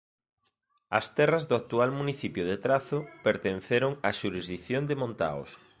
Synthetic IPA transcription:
ɐst̪ɛrɐzðʊak̚t̪ualmuniθipjʊðet̪ɾaθʊpeɾt̪enθeɾʊŋaʃuɾizðikθjond̪emõnt̪a̰o̰s

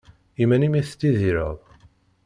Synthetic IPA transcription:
imænimiθt̪ːiðiɾə̰ðˤ

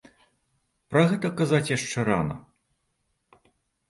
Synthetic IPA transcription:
pɾɐɣɛt̪ɐkazat͡sʲjaʂt͡ʂɛɾa̰nɐ̰

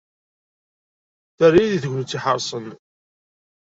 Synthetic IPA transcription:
θərːiðiθʝʷːnt͡sːiħəɾˤsˤən

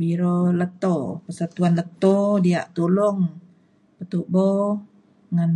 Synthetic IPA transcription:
biɾolət̪opəsat̪uanlət̪odiaʔt̪ulʊŋ | pət̪uʔbo | ŋan

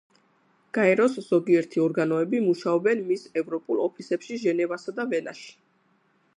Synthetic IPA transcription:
ɡ̥aɛɾɔsz̥ɔɡiɛɾt̪ʰiɔɾɡanɔɛbimuʃaɔbɛnmisɛvɾɔpʼulˠɔpʰisɛpʃiʒɛnɛvasad̪avɛna̰ʃi̥

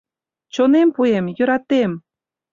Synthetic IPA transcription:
t͡ɕonempuemjø̆ɾɑt̪em

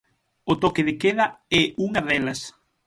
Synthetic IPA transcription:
ot̪ɔkeðɪkeðɐɛʔuŋɐðɛlɐs

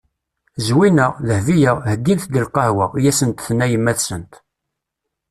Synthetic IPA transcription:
zwinəʁləhvijəʁhəɡ̪ːinθɡ̪əlqɑhwəʁjæsənt̪θnːæjəmːæθsənt̪

